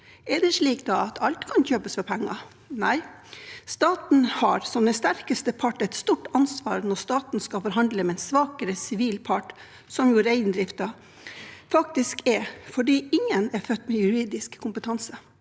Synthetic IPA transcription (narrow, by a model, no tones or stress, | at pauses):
ɛɖ̪ɛçɭiːkd̪ɑɑt̪ʰɑlt̪kʰɑnçøːpəsfɔɾpʰɛŋːɑ | næɪst̪ɑːt̪n̩hɑɾsɔmd̪ɛst̪æɾkəst̪əpʰɑʈːɛɪt̪st̪uːʈɑnsʋɑ̰ːɾnɔɾst̪ɑːt̪n̩skɑfɔɾɦɑnd̪ləmɛɛnsʋɑːkəɾəsɪʋiːlpʰɑʈ | sɔmjʊɾæɪnd̪ɾɪft̪ɑ | fɑk̚t̪ɪskɛɾfɔɖiːɪŋːənɛɾfœt̪ːmɛjʉɾiːd̪ɪskʰːʊmpət̪ʰɑnsə